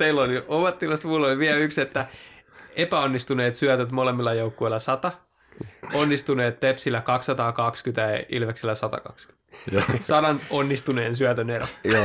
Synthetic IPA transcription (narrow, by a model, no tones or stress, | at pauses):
t̪eilːolioʋɑt̪ːilɑst̪mulːoliʋiæykset̪ːæ | epæonːist̪uneːt̪syæt̪øt̪molemːilːˑɑjoukːoilːɑsɑt̪ɑ | onːist̪uneːt̪t̪epsilːækɑksːɑt̪ɑːkɑkskyt̪æeḭlʋeksilːæsɑt̪ɑ̰kɑ̰ksky̥ | sɑdɑnonːist̪uneːnsyæt̪ønerojo